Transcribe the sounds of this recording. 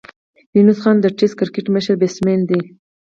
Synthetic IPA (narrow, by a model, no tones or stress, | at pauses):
junusχɑnd̪əʈeskɪɾkeʈməʃəɾbesmend̪i